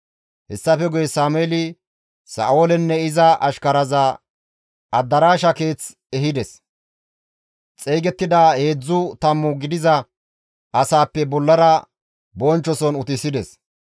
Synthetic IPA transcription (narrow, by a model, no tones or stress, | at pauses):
hɛsːɐfɛɡʊjɛsaːmeːlɪ | sa̰ːoːlɛnːɛɪzɐʔɐʃkɐɾɐzɐ | ɐd̪ːɐɾaːʃɐke̞ːt͡s | ɛɦɪd̪ɛs | t͡sʼɛjɡɛt̪ːɪd̪aːhe̞ːd͡zːʊt̪ɐmːʊɡɪd̪ɪzɐ | ʔɐsaːpːɛbɔlːɐɾɐ | bɔnt͡ʃːɔsɔnʊt̪ɪsɪd̪ɛs